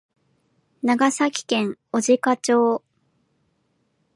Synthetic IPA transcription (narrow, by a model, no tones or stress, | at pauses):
naɡasakʲi̥kẽ̞ŋo̞ʑikat͡ɕo̞ː